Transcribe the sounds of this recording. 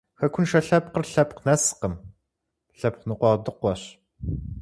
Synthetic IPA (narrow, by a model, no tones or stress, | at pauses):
xɐkʷʰʊnʃɐɬɐp̚qərɬɐpqnɐsqəm | ɬɐp̚qnɨqʷɑːʁdɨqʷɐɕ